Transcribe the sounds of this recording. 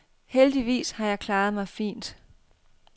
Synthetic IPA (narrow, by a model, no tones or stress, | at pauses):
held̥iʋḭːshɑ̈jɑ̈ɪkʰlɑːð̞̩ˠmɑ̈ɪfḭːnd̥